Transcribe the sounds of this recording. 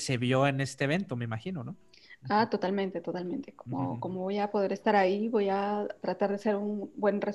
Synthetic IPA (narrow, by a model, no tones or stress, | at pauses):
se̞βjo̞e̞ne̞st̪eeβ̞e̞nt̪o̞meimaxino̞no | at̪o̞t̪almẽ̞nt̪e̞t̪o̞t̪almẽ̞nt̪e̞komo̞̰ko̞mo̞βo̞japo̞ð̞e̞ɾe̞st̪aɾaiβo̞jat̪ɾat̪aɾðese̞ɾunbwe̞nre